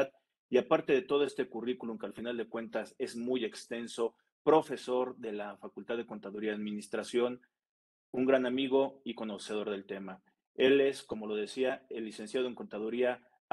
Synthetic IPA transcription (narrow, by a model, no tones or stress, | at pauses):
ð | iapaɾt̪e̞ðe̞t̪o̞ð̞oe̞st̪e̞kurikulumkealfinald̪e̞kwe̞nt̪ase̞zmuje̞kst̪e̞nso̞ | pɾo̞fe̞so̞ɾðe̞lafakult̪aððe̞ko̞nt̪aðuɾiaaðmĩnist̪ɾasjo̞n | uŋɡɾanamiɣ̞o̞iko̞no̞se̞ð̞o̞ɾðe̞lt̪e̞ma | e̞le̞sko̞mo̞lo̞ð̞e̞siaelːise̞nsjað̞oe̞ŋko̞nt̪að̞uɾia